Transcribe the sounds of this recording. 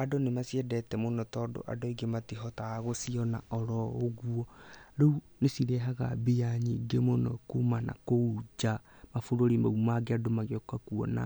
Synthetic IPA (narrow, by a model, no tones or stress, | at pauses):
adonemasiɛdɛtɛmonɔtɔdo̰ʔa̰doiɡematiɦɔtaɣosiɔnaʔɔɾɔːɣuɔɾeunesiɾɛɦaɣa̰bejaɲiɡemonɔkumana̰koud͡ʒamafoɾoɾimaumaɡeadomaɣkakuɔ̰na̰